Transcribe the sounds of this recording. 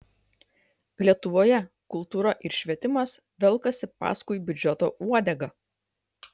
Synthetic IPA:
lʲiɛt̪ʊʋoːjɛ | kʊlˠˑt̪uːɾɐʔɪɾʃʲʋʲiɛt̪ʲɪmɐs | ʋʲɛlˠˑkɐsʲɪpɑ̰ːskʊɪbʲʊd͡ʒʲɛt̪o̰ːʔuɔd̪ʲɛɡɐ

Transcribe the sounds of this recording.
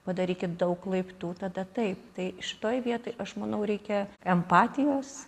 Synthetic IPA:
pɐd̪ɐɾʲiːkʲɪt̪̚d̪ɐʊkːlˠɐɪpt̪uːt̪ɐd̪ɐt̪ɐɪp̚t̪ɐɪʃʲɪ̥t̪oːjʋʲiɛt̪oːɪʔɐʃmɐnɐʊɾʲɛɪkʲɛɛmpɑːt̪ʲɪjoːs

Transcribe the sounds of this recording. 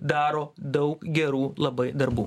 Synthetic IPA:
d̪ɑːɾoːd̪ɐʊkɡʲɛɾuːlˠɐbɐɪd̪ɐɾbuː

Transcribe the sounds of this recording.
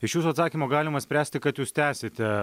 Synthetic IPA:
ɪʃjuːsuːɐt̪sɑːkʲimoːɡɑːlʲɪmɐsʲpʲɾʲæːsʲt̪ʲɪkɐt̪juːst̪ʲæːsʲeːt̪ʲɛ

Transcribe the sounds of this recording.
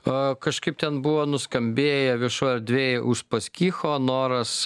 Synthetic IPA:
kɐʃkɐɪp̚t̪ʲɛnbʊʋoːnʊskɐmʲbʲeːjɛʋʲɪɛʃoːjɛɾd̪ʲʋʲeːjʔʊʃpɐsʲkʲiːxoːnoːɾɐs

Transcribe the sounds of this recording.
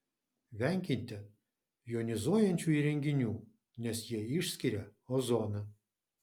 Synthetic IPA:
ʋʲɛŋʲkʲɪnʲt̪ʲɛ | joːnʲɪzuɔjɛnʲt͡ʃʲuːiːɾʲɛŋʲɡʲɪnʲuː | nʲɛsjiɛɪʃʲsʲkʲɪɾʲɛɔzoːnɐ

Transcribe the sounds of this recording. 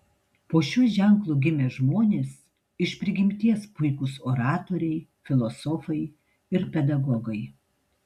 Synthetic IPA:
poːʃʲuːʒʲɛŋˑklˠʊɡʲɪmʲɛʒmoːnʲeːs | ɪʃʲpʲɾʲɪɡʲɪmʲt̪ʲiɛspʊɪkʊsoːɾɑːt̪oːɾʲɛɪfʲɪlˠosɔfɐɪ | ɪɾpʲɛd̪ɐɡɔɡɐɪ

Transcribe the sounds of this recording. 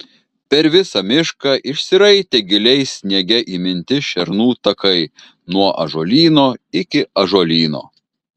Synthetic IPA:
pʲɛɾʋʲɪsɐmʲɪʃkɑʔɪʃsʲɪɾɐɪt̪ʲɛɡʲɪlʲɛɪsʲnʲɛɡʲɛʔiːmʲɪnʲt̪ʲɪʃʲɛɾnuːt̪ɐkɐɪ | nuɔʔɐ̰ʒoːlʲiːnoːɪkʲɪɐʒoːlʲiːno̰ː

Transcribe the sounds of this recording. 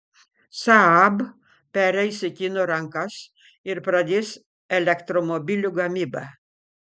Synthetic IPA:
saab | pɛɾɛjsikʲinoɾaŋkas | iɾpɾad̪ʲis | elekt̪ɾomobiluɡamiba̰

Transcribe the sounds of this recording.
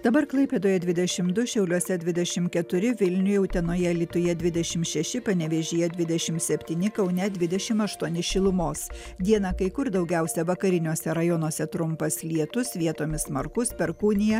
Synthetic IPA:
d̪̥ɐbɐɾklˠɐɪpʲeːd̪oːjɛd̪ʲʋʲɪd̪ʲɛʃʲɪmd̪ʊʃʲɛʊlʲuɔsʲɛd̪ʲʋʲɪd̪ʲɛʃʲɪmkʲɛt̪ʊɾʲɪʋʲɪlʲnʲʊjɛʊt̪ʲɛnoːjɛlʲɪt̪ʊjɛd̪ʲʋʲɪd̪ʲɛʃʲɪmʃʲɛʃʲɪpɐnʲɛʋʲɛʒʲijɛd̪ʲʋʲɪd̪ʲɛʃʲɪmsʲɛpʲt̪ʲiːnʲɪkɐʊnʲɛd̪ʲʋʲɪd̪ʲɛʃʲɪmɐʃt̪uɔnʲɪʃʲɪlˠʊmoːs | d̪ʲiɛnɐkɐɪkʊɾd̪ɐʊɡʲɛʊsʲɛʋɐkɐɾʲɪnʲuɔsʲɛɾɐjonoːsʲɛt̪ɾʊmpɐslʲiɛt̪ʊsʋʲiɛt̪oːmʲɪssmɐɾkʊspʲɛɾkuːnʲɪjɛ

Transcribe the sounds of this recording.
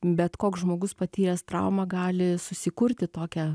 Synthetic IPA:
bʲɛt̪koːksʒmoːɡʊspɐt̪ʲiːɾʲɛst̪ɾɐʊmɑɡɑːlʲɪsʊsʲɪkʊɾʲt̪ʲɪt̪oːkʲɛ

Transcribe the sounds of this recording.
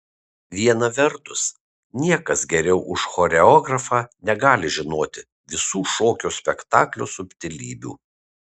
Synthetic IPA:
ʋʲiɛnɐʋʲɛɾt̪ʊs | nʲiɛkɐsɡʲɛɾʲɛʊʔʊʃxɔɾʲɛɔːɡɾɐfɑːnʲɛɡɑːlʲɪʒʲɪnoːt̪ʲɪ | ʋʲɪsuːʃoːkʲoːsʲpʲɛkt̪ɑ̰ːklʲusʊpʲt̪ʲɪlʲiːbʲṵː

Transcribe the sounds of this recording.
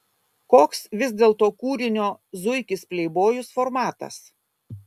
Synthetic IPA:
koːksʋʲɪzʲd̪ʲeːlˠt̪oːkuːɾʲɪnʲoːzʊɪkʲɪspʲlʲɛɪboːjʊsfɔɾmɑːt̪ɐ̰s

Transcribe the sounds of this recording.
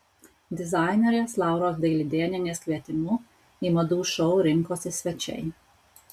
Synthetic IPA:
d̪izajnɛɾjɛslaːwɾɔzd̪eːlʲid̪eːnjɛnʲɛskʋʲet̪imu | imɐd̪uʃɔwɾɪŋkɔsisʋɛt͡ʃɛ̰j

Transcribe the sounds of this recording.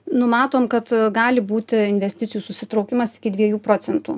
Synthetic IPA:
nʊmɑːt̪oːmkɐt̪ɡɑːlʲɪbuːt̪ʲɪɪnʲʋʲɛsʲt̪ʲɪt̪sʲɪjuːsʊsʲɪt̪ɾɒʊkʲɪmɐsɪ̥kʲɪd̪ʲʋʲiɛjuːpɾoːsʲɛnt̪ṵː

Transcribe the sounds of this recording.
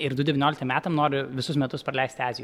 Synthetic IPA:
ɪɾd̪ʊdʲɛʋʲɪnoːlʲɪkt̪ɐmʲæːt̪ɐmnoːɾʲʊʋʲɪsʊsmʲɛt̪ʊspɾɐlʲɛɪsʲt̪ʲɑːzʲɪj

